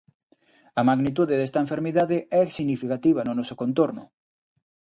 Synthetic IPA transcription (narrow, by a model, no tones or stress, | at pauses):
ɐmaɣnit̪̬uðeðest̪aɐẽɱfeɾmiðaðeɛsiɣnifikat̪iβ̞ɐnʊnɔsokont̪oɾnʊ̰